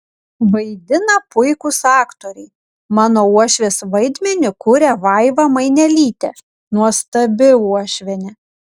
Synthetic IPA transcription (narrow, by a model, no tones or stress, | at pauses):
ʋɐɪd̪ʲɪnɐpʊɪkʊsɑːkt̪oːɾʲɛɪ | mɑːnoːuɔʃʲʋʲeːsʋɐɪd̪ʲmʲɛnʲʊkʊɾʲɛʋɐɪʋɑmɐɪnʲɛlʲiːt̪ʲɛ̰ | nuɔst̪ɐbʲɪuɔʃʲʋʲɛnʲɛ